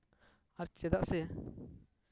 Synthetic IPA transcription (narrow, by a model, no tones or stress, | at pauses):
aɾt͡ʃɛd̪aʔsɛ